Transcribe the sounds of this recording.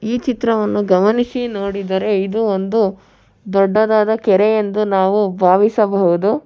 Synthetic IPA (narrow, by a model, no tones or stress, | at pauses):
iːt͡ʃit̪ɾɐʋɐnːuɡɐmɐnisinoːɽid̪ɐɾe̞id̪uond̪u | d̪ɔɖːɐd̪aːd̪ɐkɛɾejend̪unaːʋubʱaːʋisɐbɐɦud̪u